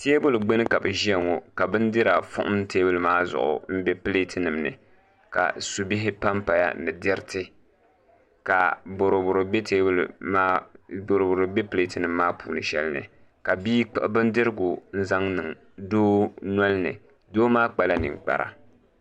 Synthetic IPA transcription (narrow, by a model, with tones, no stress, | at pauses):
teː˦bʊ˦lɨ˨ɡ͡be˦nɨ˦ka˨bɨ˨ʒi˦a˨ŋɔ˨ka˨bɨ˦n˦dɪ˦ɾa˨fʊ̰˦ʔʊ̰˦m˦te˦bʊ˦lmaː˦zʊ̰˨ʔʊ̰˨m̩˦bɛ˦pɨ˦le˦tɨ˦nɨ˨mnɨ̰˨ | ka̰˨su˨bɪ˦ɦɪ˦pa˦mpa˨ja̰˦nɨ˨dɛ˦ɾtɪ˦ | ka˨bo˨ɾo˨bʊ˨ɾɨ˨bɛ˦te˦bl̰a˦bo˨ɾbʊ˨ɾɨ˨be˦ple˦tɨ˦nɨ˨mːaː˦puː˨nɨ˨ʃɛ̰˦lnɨ̰˨ | ka˨biː˦k͡pbɨ˦n˦dɨ˦ɾɨ˦ɡʊ˨n̩˦za˦ŋnɨ˨ŋ | doː˦nɔ˦lnɨ̰˨ | doː˦maː˦k͡pa˨la˦nɨ̰˨ŋk͡pa̰˨ɾa̰˨